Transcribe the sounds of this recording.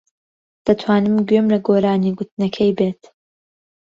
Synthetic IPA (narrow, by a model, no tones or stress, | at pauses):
d̪̥ɐt̪ʰwaːnɨmɡɥømlɐɡoːɾaːniːɡʊt̪nɐkʰɐjbeːt̪